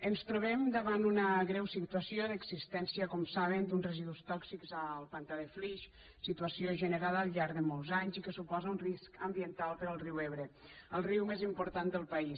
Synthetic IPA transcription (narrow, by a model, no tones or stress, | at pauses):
ənst̪ɾuβ̞ɛmd̪əβand̪unəɣɾɛwsit̪uəsioðəɡz̥ist̪ɛnsiəkɔmsaβ̞ənd̪unzrəziðust̪ɔksikzəlˠpant̪aðefliʃ | sit̪uəsioʒənəɾaðəːlˠʎaɾðəmɔlˠzaɲzikəsupɔzəunriskəmbiənt̪alˠpəɾəlˠriweβɾəəlˠriwmezimpuɾt̪and̪əlˠpɐis